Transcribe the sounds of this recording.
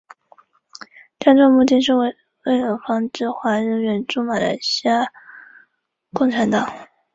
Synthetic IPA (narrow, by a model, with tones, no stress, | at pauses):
ʈ͡ʂa˥˧nʈ͡ʂʰɑ˥˧ŋmu˥˧t͡ɕ̪i˥˧nʂ̩˥˧w | we˥˩ɪjə˨˩fɑ˥ŋʈ͡ʂɻ̩˥˩xwa˧˥ɻə˧˥nɥɛ˧˥nʈ͡ʂu˥ma˨˩lə̰˧˥ɕja˥˩ | kʊ˥˩ŋʈ͡ʂʰa˧˥nt̪ɑ˨˩˦ŋ